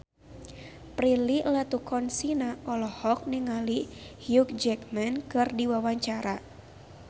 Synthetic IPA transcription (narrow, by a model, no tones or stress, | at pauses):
pɾililat̪ukʰɔnsinaɔlɔhɔk̚niŋalihjuk̚d͡ʒɛkmɛnkɨrdiwawaɲt͡ʃaɾa